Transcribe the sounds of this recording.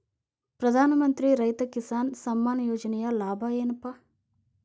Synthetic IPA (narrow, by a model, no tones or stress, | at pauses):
pɾɐd̪ʱaːnɐmɐnt̪ɾiɾɐjt̪ɐkisaːnsɐmːaːnɐjoːd͡ʒɐnɛjɐlaːbʱɐjeːnɐpɐ